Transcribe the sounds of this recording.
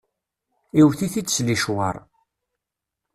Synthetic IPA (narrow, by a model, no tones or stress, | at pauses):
iwθiθit͡sːsliʃwə̰ɾˤ